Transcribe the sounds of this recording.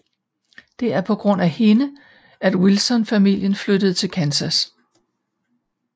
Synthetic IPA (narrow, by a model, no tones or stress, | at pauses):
d̥e̝æɐpʰɒ̽ɡ̥ʁɔ̽n̰æhe̝nə | æd̥wilsɒ̽nfæmil̰jənflød̥əð̞̩ˠt͡sʰe̝lkʰænsæs